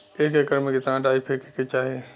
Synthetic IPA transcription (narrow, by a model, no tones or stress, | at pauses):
eːkekəɾmẽket̪ãɖaːipʰekeket͡ʃaːɦe